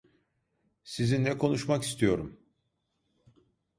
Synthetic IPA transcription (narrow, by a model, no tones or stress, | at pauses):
sizinːɛkʰo̞nuʃmaki̥st̪ʰijo̞ɾum